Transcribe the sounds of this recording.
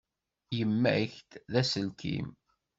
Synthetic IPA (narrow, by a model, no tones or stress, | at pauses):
jəmːæ̰çt̪ðæsəlkḭm